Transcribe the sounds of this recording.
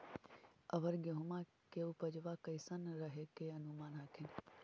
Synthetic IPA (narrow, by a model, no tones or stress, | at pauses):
ɐʋəɾɡeɦʊma | keʊpəd͡ʒʋakəɪsənɾəɦekeɐnumaːnaːkʰẽn